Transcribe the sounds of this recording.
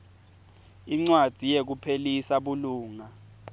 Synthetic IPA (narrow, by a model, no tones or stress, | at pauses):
iŋ͡ǀwad̥ʱijek̬upʰelisaɓuluːŋa